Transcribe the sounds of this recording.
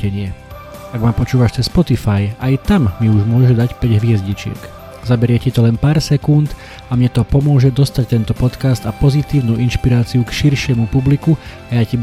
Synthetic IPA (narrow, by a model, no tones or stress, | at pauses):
ɛɲɪɛ | aɡmaːpɔt͡ʃuːʋaʃt͡sɛsːpɔt̪ifajajt̪amːiuʒmʊɔʒɛd̪acpɛɟɦʋɪɛzɟit͡ʃɪɛ̰k | zabɛɾɪɛcit̪ɔlɛnpaːɾsɛkunt̪ | amɲɛt̪ɔpɔmʊɔʒɛd̪ɔst̪ac̚t̪ɛnt̪ɔpɔt̪kast̪apɔzit̪iːʊnuːʔinʃpiɾaːt͡siukʃiɾʃɪɛmupublikuajaci